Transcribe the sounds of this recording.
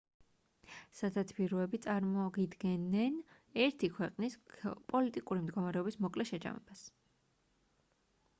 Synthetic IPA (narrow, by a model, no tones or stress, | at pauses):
sad̪at̪sʰbiɾɔɛbit̪sʼaɾmɔɡid̪ɡɛnːɛn | ɛɾt̪ʰikʰwɛqʼnispʼɔlit̪ʼikʼuɾimd̪ɡɔmaɾɛɔbismɔkʼlɛʃɛd͡ʒa̰mɛ̰bas